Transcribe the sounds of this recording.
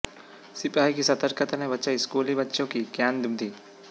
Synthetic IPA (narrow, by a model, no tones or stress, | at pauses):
sɪpaːikisɐt̪əɾkʰət̪anẽbɐtːʃaːiskuːlibətːʃõkikjaːnd̪umd̪iː